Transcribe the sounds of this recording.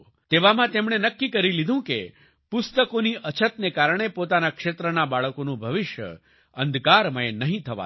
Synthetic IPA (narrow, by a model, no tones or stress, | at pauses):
t̪eʋamãt̪emɳ̃enəkːikəɾilid̪ʱũke | pʊst̪əkoniʔət͡ʃʰət̪nekaɾɳ̃epot̪anakʂet̪ɾənabaɭəkonũbʱəʋɪʃjə̰ | ə̃nd̪ʱkaɾmə̃enəɦĩt̪ʰəʋa̰